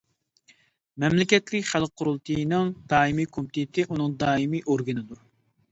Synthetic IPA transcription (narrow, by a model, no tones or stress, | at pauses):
mɛmlɪkʲɛt̪lɪkʲχælˠqqʰːʊɾulˠt̪ʰɨjnɨŋd̪̥ɑːimikʰomt̪ʰɪt̪ʰɪʔunɨŋd̪ɑːimijʔoɾɡɨnɨd̪u